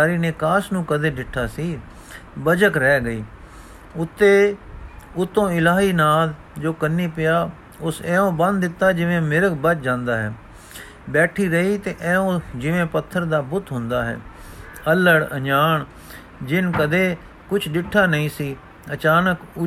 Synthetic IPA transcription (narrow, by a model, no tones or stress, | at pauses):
aːɾiːneːkaːsnũːkəd̪eːɖɪʈʰːaːsiː | bəd͡ʒəkɾɛːɡəiː | ʊt̪ːeː | ʊt̪ːõːɪlaːɦiːnaːl | d͡ʒoːkənːiːpɪjaː | ʊsɛ̃ːõːbə̃nd̪d̪ɪt̪ːaːd͡ʒɪʋẽːmɪɾəkbət͡ʃd͡ʒãːnd̪aːɦɛ̰ː | bɛːʈʰiːɾəiːt̪eːʔɛ̃ːõːd͡ʒɪʋẽːpət̪ʰːəɾd̪aːbʊt̪ɦʊ̃nd̪aːɦɛ̰ː | ələɽə̰d͡ʒaːɳ | d͡ʒɪnkəd̪eː | kʊt͡ʃʰɖɪʈʰːaːnəĩːsiː | ət͡ʃaːnəkʊ